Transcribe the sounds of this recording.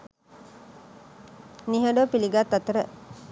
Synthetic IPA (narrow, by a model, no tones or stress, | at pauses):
niɦəɖopiliɡat̪ːat̪əɾə